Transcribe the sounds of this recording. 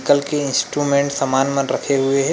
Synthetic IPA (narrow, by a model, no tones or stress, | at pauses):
kəlkeɪ̃nsʈɾumẽːɳʈsɐmaːnmɐ̃nɾɐkʰeɦʊeɦɛ